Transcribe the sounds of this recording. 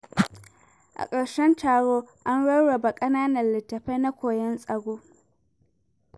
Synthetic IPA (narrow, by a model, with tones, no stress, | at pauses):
ʔa̰˨kʼɐ˨ɽʃɛ˦ntʰaː˨ɽoː˦ʔa˦nɽɐ˦wɽɐ˨ba˨kʼɐ˦naː˦nɐ˨nlɪ˨tːɐ˨ɸɐ˦jna˦kʷoː˨jɛ˦nsʼɐ˨ɡʷoː˦